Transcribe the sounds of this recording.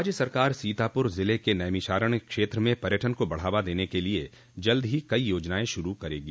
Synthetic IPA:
ɾaːd͡ʒjəsɐɾkaːɾsiːt̪aːpʊɾzɪlekenɐjmiʃaːɾəɳ̃kʃeːt̪ɾəmẽpɐɾjəʈʰənkobɐɽ̤aːʋad̪eːnekelie | d͡ʒɐld̪ɦikɐijoːd͡ʒnaːẽʃʊɾukɐɾḛːɡi

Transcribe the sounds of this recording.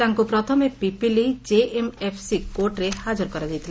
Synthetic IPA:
aŋkupɾɔt̪ʰɔmepipilid͡ʒeemepʰsikoɾʈɾehad͡ʒɔɾkɔɾad̪ijt̪ʰile

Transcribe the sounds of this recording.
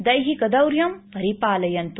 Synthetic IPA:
d̪ɐjɦikɐd̪ɐwɾjɐmpɐɾipaːlɐjɐnt̪

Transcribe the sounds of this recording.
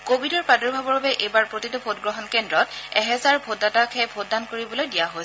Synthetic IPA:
kobidɔɹpadɔɹbʱabɔɹabɛʔejbaɹpɹotitɔbʰʱotɡɹɔɦɔnkɛndɹɔtɛɦɛzaɹbʱotːatakʰɛbʱoddːankoɹibɔlojdijaɦoj

